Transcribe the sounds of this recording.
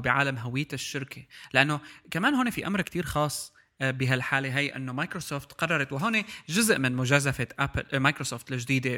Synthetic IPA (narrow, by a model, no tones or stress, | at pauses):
bɪʕa̰ːlamɦawɪj̪ːɪʃːɪɾkʰelɪʔanːokamaːnɦoːnefiʔa̰mɾkt̪iːɾxɑːsˤː | bɪɦalħaːleɦajːʔɪ̰nːomaːkɾosoːft̪qɑrˤːɑɾˤɑt̪wɪɦoːneʒʊzʔmɪnmʊʒaːzafeʔapmajkɾosoːft̪lɪʒd̪iːd̪e